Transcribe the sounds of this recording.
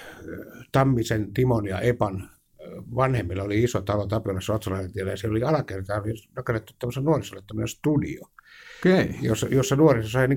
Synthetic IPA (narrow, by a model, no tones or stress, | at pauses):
t̪ɑmːisent̪imonjɑ̰epɑn | ʋɑnhemːilːɑoliisot̪ɑlot̪ɑpiolːɑssuot̪sɑlɑisent̪ielæjɑsielːoliɑlɑkert̪ɑːnɑkeret̪ːut̪æmoselnuorisolːet̪t̪æmːonenst̪udḭo | jo̰sɑjosːɑnuorisosɑiniː